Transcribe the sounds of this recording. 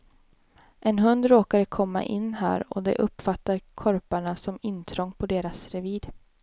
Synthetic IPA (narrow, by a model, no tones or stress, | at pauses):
ʔɛnɦɵnd̪ɾoːkad̪əkʰɔmːa̰ʔɪnːɦæ̰ːɾɔ̰d̪ɛ̰ʔɵpːfat̪ːaɾkʰɔɾpaɳasɔmɪnːt̪ʰɾɔŋːpʰɔd̪eːɾasɾɛviːd̪